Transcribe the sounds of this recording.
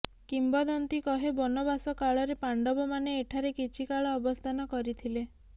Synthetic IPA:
kimbɔd̪ɔnt̪ikɔɦebɔnɔbasɔkaɭɔɾepaɳɖɔbɔmaneːʈʰaɾekit͡ʃʰikaɭɔːbɔst̪ʰanɔkɔɾit̪ʰile

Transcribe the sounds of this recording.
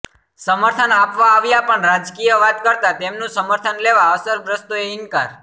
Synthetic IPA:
səməɾt̪ʰənapʋaːʋjapəɳɾad͡ʒkijəʋat̪kəɾt̪at̪emnũsəməɾt̪ʰənleʋaəsəɾbɾəst̪oeɪŋkaɾ

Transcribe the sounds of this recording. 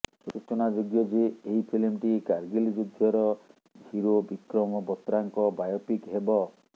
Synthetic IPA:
suɾut͡ʃɔnad͡ʒoɡjɔd͡ʒeeɦipʰilmʈikaɾɡild͡ʒud̪ʱjɔɾɔ | d͡ʒʱiɾobikɾɔmɔbɔt̪ɾaŋkɔbajɔpikɦebɔ

